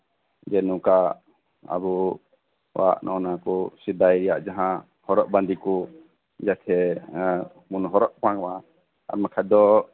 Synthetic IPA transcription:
d͡ʒɛnũka | a̰bu | wa̰ʔnʔɔnakɔsid̪ajɾɛjaʔd͡ʒaɦã | hɔɾɔʔ̚band̪ikɔ | d͡ʒat̪ʰɛ | munɦɔɾɔʔpaŋwa | a̰ɾmɛkʰad̪ɔ

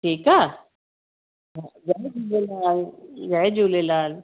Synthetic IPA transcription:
ʈʰiːkaː | ɦãzad͡ʒuːlelaːlɡad͡ʒuːlelaːl

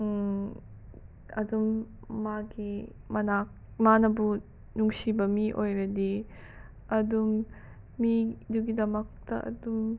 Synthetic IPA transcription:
ɐdumːaɡimɐnak̚ | manɐbu | nuŋsibɐmiʔojɾɐdi | ɐdumː | iduɡidɐmɐk̚tɐʔɐ̰dum

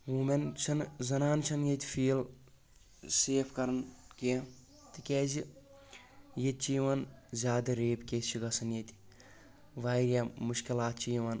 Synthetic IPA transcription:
ʋuːment͡ʃʰɐnzɐnaːnt͡ʃʰɐnjet̪ʲi̥fʰiːl | seːpʰkɐɾɐnke | t̪ikʲɛːzʲi | jet̪̚t͡ʃijʋɐnzʲaːd̪ɐɾeːpkʲet͡ʃiɡɐsɐnjet̪ʲi̥ | ʋaːɾjamuʃkilaːt̪̚t͡ʃijiʋɐn

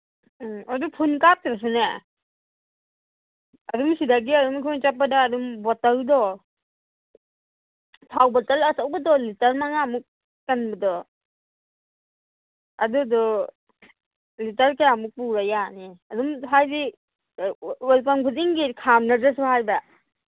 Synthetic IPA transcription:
adupʰunkap̚tɾas̬une | ɐdumsidaɡiɐdumkʰɯnt͡ʃapːadaːdumbɔtaldɔ | tʰawbatalɐsawbadɔlitɐɾmaŋamuk̚ː | anbadɔ | ɐ̰dudɔ | litaɾkajamuk̚puɾajaneɐdumɦajdi | walpaŋkʰuziŋɡikʰamnazas̬uhajba

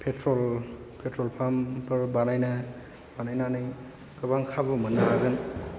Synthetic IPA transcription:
pʰetɾɔl | pʰetɾɔlpʰampɯɾbanajna | banajnanɯj | kɯbaŋkʰabɯmɐnːaaɡɯn

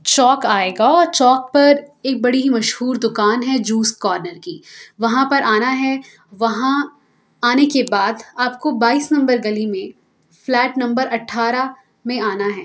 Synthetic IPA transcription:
t͡ʃɔːkaːeːɡaɔːɾt͡ʃɔːk̚pɐɾeːk̚bɐɽiɦimɐʃhuːɾd̪ʊkaːnɦɛd͡ʒuːsʈ̚kɔːɾnəɾkiːʋɐɦãpɐɾʔaːnaɦɛ | ʋɐɦã | aːnekebaːd̪aːp̚kobaːiːsnɐ̃mbəɾɡɐlimẽ | flɛːʈnɐ̃mbəɾʔɐʈʰːaːɾa | mẽaːnaɦɛː

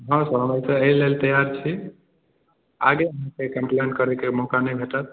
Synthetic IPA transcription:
ɦãsəɾmajt̪əeilelt̪əjaɾt͡ʃʰi | a̰ɡeəɦãkekə̃mplenʈkəɾekemɔkanəjbʱeʈət̪̚

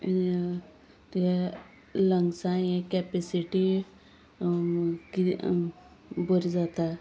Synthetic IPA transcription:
t̪ | ləŋɡsaẽkɛːpesiʈi | ki | bʊɾd͡ʒaːt̪a

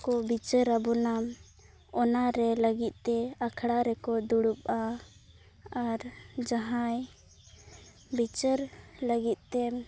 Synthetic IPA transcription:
kɔbit͡ʃəɾabɔnam | ɔnaɾɛləɡit̪̚ˀt̪ɛakʰɽaɾɛkɔd̪uɽup̚a | ɾd͡ʒaɦãj | bit͡ʃəɾləɡit̪̚t̪ɛ

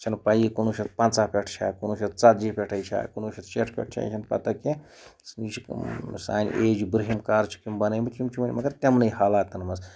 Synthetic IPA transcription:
t͡ʃʰɐnpɐjikunuʃʰɐt̪pɐnt͡saːpʲeʈʰt͡ʃʰa̰ːkonuʃʰʲɐt̪t͡sɐt̪̚d͡ʒipʲeʈʰɐjt͡ʃʰa̰ːkunuːʃʰɐt̪̚ʰt͡ʃeʈʰpʲḛʈʰt͡ʃʰa̰ːt͡ʃʰɐnpɐ̰t̪ɐke | sniːt͡ʃʰiksa̰ːnʲʔeːd͡ʒibɾiɦimkaːɾt͡ʃʰi̥kimbɐnɐjmbɐt̪ʰʲt͡ʃʰimt͡ʃʰimɐnʲmɐɡɐɾt̪ʲɐmnɐjhaːlaːt̪ːɐnmɐs

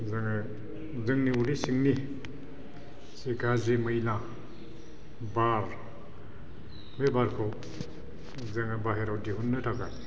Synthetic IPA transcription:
zaŋa | zɯŋniuɾisiŋni | sikaziməjla | baɾ | mebaɾkʰɔw | zaŋabaɦeɾawdiɦunːɯtʰaka

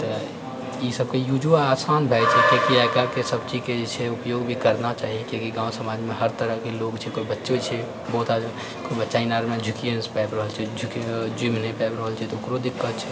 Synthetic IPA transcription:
t̪ə | isəbkejud͡ʒuaaːsaːnbʱɛɪt͡ʃʰɛkjõkiakakesəbt͡ʃiked͡ʒet͡ʃʰɛʊpjoːɡbʱikəɾnat͡ʃaːɦiekjõkiɡãːwsəmaːd͡ʒmẽɦəɾt̪əɾəkeloːɡt͡ʃʰɛkoibətːʃet͡ʃʰɛ | bɔɦt̪a | kobətːʃainaɾmẽd͡ʒʱʊkijənspɛːbɾəɦəlt͡ʃʰɛd͡ʒʱʊkd͡ʒimnẽpɛːbɾəɦəlt͡ʃʰɛt̪ɔʊkɾod̪ɪkʰːət̪t͡ʃʰɛ

